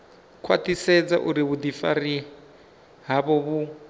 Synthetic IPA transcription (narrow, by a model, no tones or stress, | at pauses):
kʰwa̰tisɛd͡za̰ʔuɾiβud̪ifari | ɦaβɔβu